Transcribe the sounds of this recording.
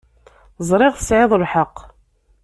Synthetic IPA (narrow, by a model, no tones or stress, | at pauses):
zˤɾˤɪʁθə̥sʕɪðˤəlħəqː